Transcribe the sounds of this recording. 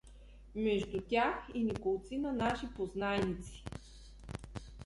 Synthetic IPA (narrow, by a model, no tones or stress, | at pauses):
mɛʒd̪ut̪ʲaxinikolˠt̪sinənaʃipoznajnit̪si̥